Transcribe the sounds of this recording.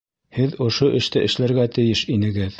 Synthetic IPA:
hɘðŏʃoʔɘ̆ʃt̪ɘʔɘ̆ʃlæɾɡæt̪ɘ̆jɘʃinɘ̆ɡɘð

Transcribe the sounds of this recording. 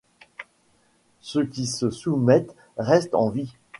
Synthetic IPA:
səkʲisəsumɛt̪ | ʁɛst̪ɑ̰̃vi

